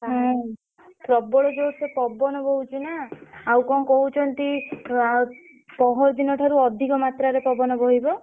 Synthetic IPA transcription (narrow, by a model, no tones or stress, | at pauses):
ɦɔ̃ | pɾɔbɔɭɔd͡ʒowt̪sepɔbɔnɔbɔɦut͡ʃʰinaawkɔŋkɔɦut͡ʃʰɔnt̪i | pɔɦɔɾd̪inɔʈʰaɾuɔd̪ʱikɔmat̪ɾaɾepɔbɔnɔbɔɦibɔ